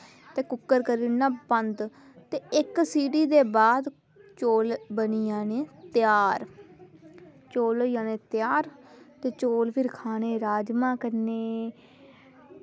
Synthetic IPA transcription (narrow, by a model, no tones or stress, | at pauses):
t̪eːkʊkːəɾkəɾiːnãːbənd̪ | t̪eːɪksiːɖiːd̪eːbaːd̪ | t͡ʃoːlbəniːjaːneːt̪ɪjaːɾ | t͡ʃoːljaːneːt̪jaːɾt̪eːt͡ʃoːlpʰɪɾkʰaːneːɾaːd͡ʒmãːkəɾneː